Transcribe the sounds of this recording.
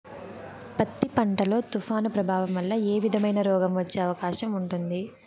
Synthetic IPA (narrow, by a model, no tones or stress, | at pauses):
pɐt̪ːipɐɳʈɐlo̞ːt̪ufʰaːnupɾɐbʱaːʋɐmʋɐlːɐeːʋid̪ʱɐmɐjnɐɾɔːɡɐmʋɐt͡ʃːe̞ːɐʋɐkaːʃɐmuɳʈund̪i